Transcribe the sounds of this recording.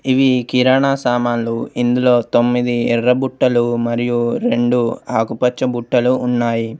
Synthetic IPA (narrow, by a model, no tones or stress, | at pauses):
iʋikiɾaːɳaːsaːmaːnluind̪ulo̞ːt̪o̞mːid̪iɛɾːɐbuʈːɐlumɐɾijuɾe̞ɳɖuaːkupɐt͡ʃːɐbuʈːɐluːnːaːji